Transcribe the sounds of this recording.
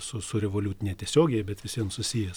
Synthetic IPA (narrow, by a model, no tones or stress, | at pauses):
sʊsʊɾʲɛʋoːlʲuːt̪ʲɪnʲɛt̪ʲiɛsʲoːɡʲɛjɛbʲɛt̪ʋʲɪsʲiɛnsʊsʲijɛ